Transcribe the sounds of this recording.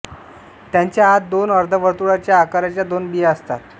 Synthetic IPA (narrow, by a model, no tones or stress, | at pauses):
t̪jaɲt͡ɕjaat̪̚d̪onəɾd̪ʱəʋəɾt̪uɽat͡ɕjaːkaɾat͡ɕjad̪onbiəst̪a̰t̪̚